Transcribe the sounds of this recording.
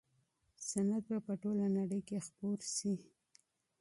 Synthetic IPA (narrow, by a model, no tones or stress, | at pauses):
sanad̪̚bapəʈolanaɽəjkexpoɾsi